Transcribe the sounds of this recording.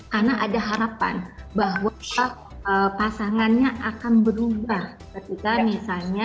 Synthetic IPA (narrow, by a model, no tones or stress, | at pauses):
karnaʔadaɦaɾapa̰nbaɦwaa | əpasaŋanɲaʔakanbəɾubah | kət̪ikamisalɲa